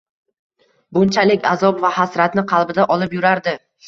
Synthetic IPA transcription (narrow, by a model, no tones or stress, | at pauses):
bʊnt͡ʃʰalɪkʲazɒpvahasɾat̪nɪqʰɑlˠbɪd̪aʔɒlɪpjʊɾaɾd̪ɪ